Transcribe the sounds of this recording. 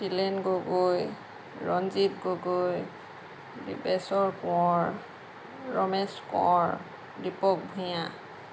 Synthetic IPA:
silɛnɡoɡoj | ɹɔnzitɡoɡoj | dḭbɛsɔɹkɔɔɹ | ɹɔmɛskɔ̰ɔɹ | dipɔk̚bʱʊjã

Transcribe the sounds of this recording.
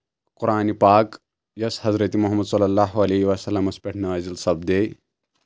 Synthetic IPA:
qʊɾʔaːnipaːk | jɐshɐzɾɐt̪imuɦɐmːɐd̪sɐlːɐlːaːɦuɐleɦiʋɐsɐlːɐmɐspʲɛʈʰnɐʋazilsɐb̚d̪ej

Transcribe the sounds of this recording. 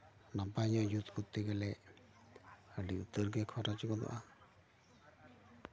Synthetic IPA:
napaɲɔjut̪kut̪ːɛɡɛlɛʔ | əɖiut̪əɾɡɛkʰɔɾat͡ʃikɔd̪ɔ̰ʔa

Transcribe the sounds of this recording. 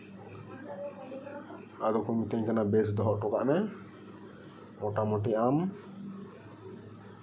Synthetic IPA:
aɡ̪ɔkumit̪ɛɲkanabesd̪ɔɦɔʔʈɔka̰ʔmɛ | ɔʈamɔʈiam

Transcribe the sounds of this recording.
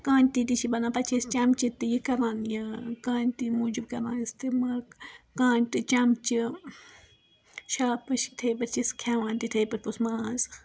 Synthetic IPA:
kaːnʲt̪it̪it͡ʃʰibɐnaːpɐt͡ʃʰist͡ʃɐmt͡ʃit̪ijikɐɾaːnjakaːnʲt̪imuːd͡ʒibkɐɾaːnist̪ɨmɐkãːnʲt̪ɨt͡ʃɐmt͡ʃi | ʃaːpɨʃt̪ʰejpɐɾt͡ʃʰiskʰaːʋãːnt̪it̪ʰɐjpɐɾpusmaːz

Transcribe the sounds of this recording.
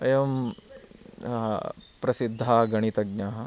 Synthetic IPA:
ɐjɐm | pɾɐsid̪ʱːaːɡɐɽit̪ɐɡɲaːɦɐ

